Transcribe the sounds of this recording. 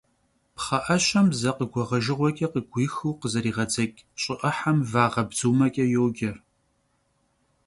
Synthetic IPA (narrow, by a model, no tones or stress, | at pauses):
pχɐʔɐɕɐmzɐqəɡʷɔʁɐʒɨʁʷɔkʲʼɐqəɡʷiːxɨwqəzɐɾiːʁɐd͡zɐkʲʼɕʼɪʔɐħamvaːʁɐbzuːmɐkʲʼɐjoːɡʲɐr